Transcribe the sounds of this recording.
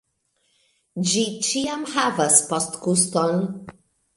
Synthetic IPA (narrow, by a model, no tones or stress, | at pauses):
d͡ʒit͡ʃiamhavaspostkuston